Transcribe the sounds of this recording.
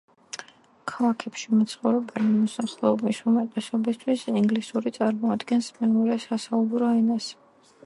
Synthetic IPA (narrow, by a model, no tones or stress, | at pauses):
kʰalˠakʰɛpʃimɛt̪sʰχɔvɾɛbɛnimɔsaχlˠɛɔbisumɛt̪ʼɛsɔbist̪ʰwisiŋɡlisuɾit̪sʼaɾmɔad̪ɡɛnsmɛnuɾɛsasaubɾɔaɛnas